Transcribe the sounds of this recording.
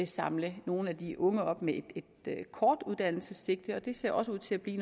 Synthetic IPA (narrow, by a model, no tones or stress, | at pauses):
sɑ̈mləno̝ːn̩æd̥iʔɔ̽ŋəɒ̽b̥med̥ed̥kʰɒːd̥uð̞ˠd̥æn̰l̩səsːe̝ɡ̥̚d̥əɒ̽d̥e̝se̝ɐ̰ʔɒ̽səuð̰ˠt͡sʰe̝æb̥lḭːn